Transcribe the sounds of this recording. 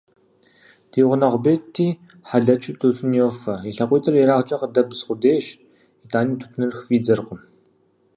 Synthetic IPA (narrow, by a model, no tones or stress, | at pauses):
tʰeːʁʷʊnɐʁʷʊbeːtʰːiː | ħaɮɐt͡ʃʼɪtʰʼusʼʊnjoːfɐiɬɐqʷiːtʰʼɨriɾaːʁt͡ʃʼɐqədɐbɨsχʷʊdeːʃ | itʰaːniːtʰu̥pʰnɨrxviːd͡zɐrqʷəm